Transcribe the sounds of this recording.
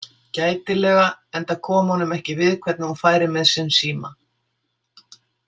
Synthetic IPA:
caːjt̪ɪlɛːɣaɛnt̪akʰɔːmhɔnʏmɛhcɪvɪðkʰvɛt̪̚naɔfaːjɾɪmɛðsɪnsiːma

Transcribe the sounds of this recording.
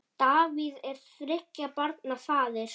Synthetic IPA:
t̪aːviðɛɾ̥θɾɪhcːapaɾt̪nafaːðɪɾ̥

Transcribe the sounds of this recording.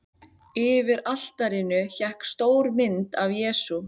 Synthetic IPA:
ɪvɪɾal̥t̪aɾɪnʏçɛhkst̪oːwɾmɪnt̪avjɛːsu

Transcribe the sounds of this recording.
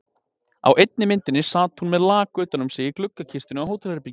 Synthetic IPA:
a̰wʔejt̪̚nɪmɪnt̪ɪnːɪsaːt̪hunmɛðlaːkʏːt̪anʏmseːjɪklʏkːacʰist̪ɪnʏawhoːwt̪ʰalɾɪpi

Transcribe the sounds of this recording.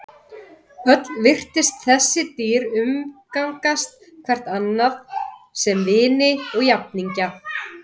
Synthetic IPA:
œt̪lvɪr̥t̪ɪst̪θɛsːɪt̪iːɾʏmkawŋkast̪̚ | kʰvɛr̥t̪nanːaðsɛmvɪːnɪɔɣjap̚niɲca

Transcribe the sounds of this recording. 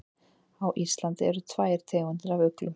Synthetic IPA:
awʔisst̪lant̪ɪɛɾʏt̪ʰvaːjɾ̥t̪ʰɛːɣʏnt̪ɪɾavʏklʏm

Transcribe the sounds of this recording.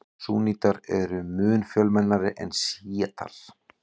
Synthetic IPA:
suːniːt̪aɾɛɾʏmʏːnfjœlmɛnːaɾɪʔɛnsiːat̪ʰa̰l̥

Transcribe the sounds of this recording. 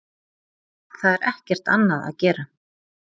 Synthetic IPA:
θaðɛɾʔɛhcɛr̥t̪a̰nːaða̰ðcɛːɾa

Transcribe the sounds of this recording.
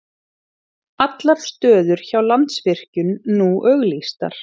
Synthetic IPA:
at̪laɾ̥st̪œːðʏɾ̥çawlant̪svɪr̥cʏnːuːʔœɣlist̪a̰ɾ̥

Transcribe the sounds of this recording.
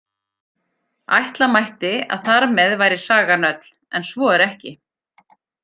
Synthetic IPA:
a̰jht̪lamajht̪ɪa̰ðθaɾmɛðvaːjɾɪsaːɣanœt̪l̥ | ɛnsvɔɛɾɛhcɪ

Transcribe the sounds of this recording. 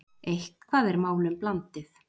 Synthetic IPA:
ejhkkʰvaːðɛɾmaːwlʏmplant̪ɪθ

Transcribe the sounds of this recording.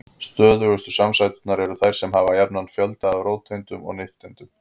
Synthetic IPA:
st̪œːðʏɣʏst̪ʏsamsajt̪ʏ̥t̪naɾɛɾʏθajɾ̥sɛmɦaːvajapnanːfjœlt̪aavɾoːwt̪ʰent̪ʏmɔ̰ɣnɪhft̪ɛnt̪ʏm

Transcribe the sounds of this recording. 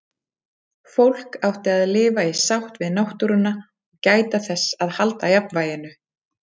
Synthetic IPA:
fowl̥kawht̪ɪaðlɪːvaisawht̪vɪðnawht̪uɾʏnːa | ɔɣcaːjt̪aθɛsːaðhalt̪ajapnvaːjɪnʏ

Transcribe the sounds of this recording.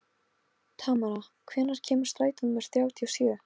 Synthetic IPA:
t̪ʰaːmaɾakʰvɛːnːaɾ̥cʰɛːmʏ̥ɾ̥st̪ɾaːjt̪ʏnmɛɾ̥θjaːwt̪ʰiasjœː

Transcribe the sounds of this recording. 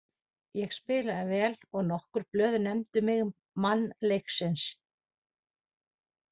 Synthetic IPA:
jɛɣspɪːlaðɪvɛːlɔɣnɔhkʏɾ̥plœːðnɛmt̪ʏmɪɣː | anːlejksɪns

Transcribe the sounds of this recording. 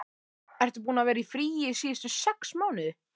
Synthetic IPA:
ɛr̥t̪ʏp̬uːnavɛːɾaifɾiːjɪsiːst̪ʏsɛksmaːwnɪð

